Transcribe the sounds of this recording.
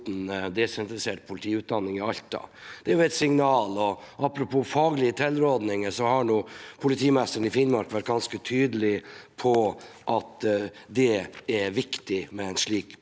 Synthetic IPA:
t̪n̩d̪ɛsɛnt̪ɾɪseːʈ̚pʰʊlt̪ʰiːʉt̪̚d̪ɑnːɪŋɪɑlt̪ɑ̰d̪̥ɛæɾjʊɛt̪sɪŋnɑːlɔʔɑpɾʊpʰuːfɑːɡlɪət̪ʰɛlːɾoːd̪nɪŋəʂɔhɑnuːpʰʊlɪt̪ʰiːmɛst̪əɾn̩ɪfɪnmɑɾkʋæʈ̚ːɡɑnskət̪ʰyːd̪əlɪpʰɔ | ʔɑt̪ | d̪ɛæɾʋɪkt̪ɪmɛæɪnʂɭiːk

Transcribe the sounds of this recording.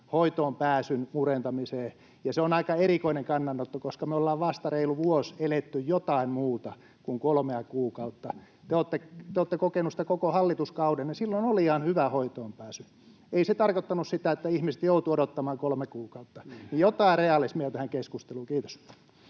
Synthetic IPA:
hoit̪oːmpæːsynmurent̪ɑmiseː | jɑseonɑikɑerikoineŋkɑnːɑnːot̪ːokoskɑmeolːɑːʋʋɑst̪ɑreiluʋuoselet̪ːyjjot̪ɑimmuːt̪ɑ | kuŋkolmeɑkuːkɑut̪ːɑ | t̪eoːt̪ːet̪eoːt̪ːekokenusi̥t̪ækokohɑlːit̪uskɑudennisilːonoliɑnhyʋæhoit̪oːmpæːsy | eiset̪ɑrkot̪ːɑnussit̪æet̪ːæihmise̥t̪jout̪uodot̪ːɑmɑːŋkolmekuːkɑut̪ːɑnijjot̪ɑireɑlismiɑt̪æhæŋkeskust̪eluːkiːt̪o̥s

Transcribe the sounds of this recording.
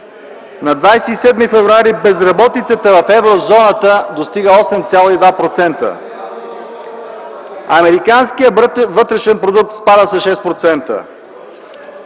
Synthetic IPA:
nɐd̪vajsɛisɛd̪mifɛvɾuaɾibɛzɾɐbɔt̪it̪sət̪əvɐfɛvɾozɔnət̪əd̪ost̪iɡəɔsɛmt̪sʲjalˠoid̪vapɾot̪sɛnt̪ə̰ | ɐmɛɾikanskijəvɤt̪ɾɛʃɛnpɾod̪uk̚t̪spad̪əsɐʃɛspɾot̪sɛnt̪ə̰

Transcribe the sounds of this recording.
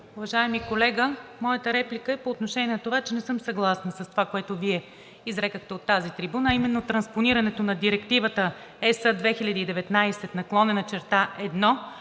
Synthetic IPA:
ʊvɐʒaɛmikolɛɡəmɔjət̪əɾɛplikəɛpoːt̪noʃɛnʲɛnɐt̪ovat͡ʃɛnɛsɤmsɐɡlˠasnəsɐst̪ovakoɛt̪oviɛ | izɾɛkəxt̪ɛot̪ːazit̪ɾibunəːimɛnːot̪ɾɐnsponiɾɐnɛt̪onɐd̪iɾɛkt̪ivət̪ə | ɛsəd̪vɛxilʲɐd̪iːd̪ɛvɛt̪najsɛt̪nɐklˠɔnɛnət͡ʃɛɾt̪aʔɛd̪nɔ

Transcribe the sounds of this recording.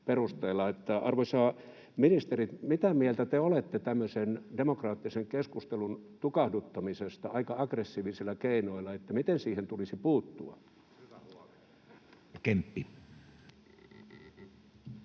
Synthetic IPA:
perust̪eːlːˑɑet̪ːæɑrʋosɑː | minist̪erit̪mit̪æmielt̪æt̪eolet̪ːet̪æmːøsendemokrɑːt̪ːiseŋkeskust̪elunt̪ukɑhdut̪ːɑmisest̪ɑɑikɑɑɡresːiːʋisilːˑækeinoilɑet̪ːæmit̪ensiːhent̪ulisipuːt̪ːuɑ̰ | kempːi

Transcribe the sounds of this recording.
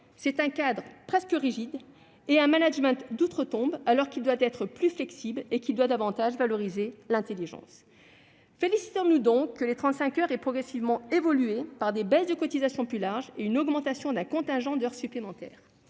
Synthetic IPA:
sɛt̪ɛ̃kad̪ʁəpχɛskəʁiʒid̪ | eɛ̃manaʒmɛ̃t̪d̪ut̪χət̪ɔ̃balɔʁkʲild̪wat̪ɛt̪χəplyflɛksiblekʲild̪wad̪avɑ̃t̪aʒvalɔʁizelɛ̃t̪eliʒɑ̰̃s | felisi̥t̪ɔ̃nud̪ɔ̃kːəlet̪χɑ̃t̪sɛ̃kʲœʁɛpχɔɡʁesivmɑ̃evɔlyepaʁd̪ebɛzd̪əkɔt̪izasjɔ̃plylaʁʒeynɔɡmɑ̃t̪asjɔ̃d̪ɛ̃kɔ̃t̪ɛ̃ʒɑ̃d̪œʁsyplemɑ̃t̪ɛ̰ːʁ

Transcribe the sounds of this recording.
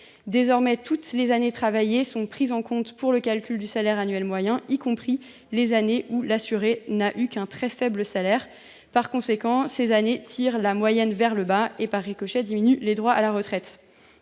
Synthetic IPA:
d̪ezɔʁmɛt̪ʰut̪lezanet̪χavajesɔ̃pχizɑ̃kɔ̃t̪puʁləkalkʲyld̪ysalɛʁanɥɛlmwajɛ̃ikɔ̃pχi | lezaneʔulasyʁenaʔykɛ̃t̪χɛfɛbləsalɛʁ | paʁkɔ̃sekɑ̃sezanet̪ʰiʁlamwajɛnvɛʁləbaepaʁːekɔʃɛd̪iminyled̪ʁwaʔalaʁət̪χɛt̪

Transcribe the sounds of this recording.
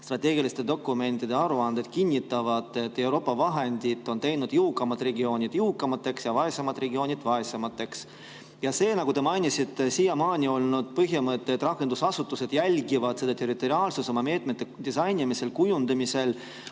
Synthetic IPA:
st̪rɑt̪ʲːˑe̞ːɡ̥ilist̪e̞d̪o̞kːˑume̞nt̪id̪e̞ɑɾuɑnd̪̥ed̪̥kinʲːit̪ːˑɑvɑd̪̥e̞t̪ːe̞wɾo̞ːpːˑɑvɑɦe̞nd̪̥it̪ːˑo̞nt̪e̞jnud̪̥juwkːˑɑmɑt̪rɾe̞ɡio̞ːnʲid̪̥juwkːˑɑmɑt̪ːˑe̞ksjɑvɑesemɑt̪re̞ɡio̞ːnʲid̪vɑesemɑt̪ːˑe̞ks | jɑse̞ːnɑɡut̪e̞mɑjnʲisit̪ːˑesijɑmɑːnʲio̞lnud̪̥pɤɦjimɤt̪ːeːt̪ːˑrɑkːˑe̞nd̪̥usɑsut̪ːˑuse̞d̪̥jælʲɡivɑd̪se̞d̪ɑt̪e̞rit̪ːˑo̞ɾiɑːlsuso̞mɑme̞ːt̪met̪ːe̞d̪̥isɑjnʲimise̞lkujund̪ɑmise̞l

